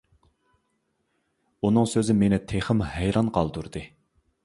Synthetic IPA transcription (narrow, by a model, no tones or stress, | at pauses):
unɨŋsøzɪmenɪt̪ʰeχɪmhæjɾɑnqʰɑlˠd̪uɾd̪ɨ